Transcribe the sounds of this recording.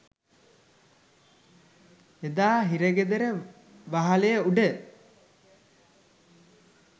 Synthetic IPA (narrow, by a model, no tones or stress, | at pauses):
ed̪aːɦiɾəɡed̪əɾə | ʋaɦalejəuɖə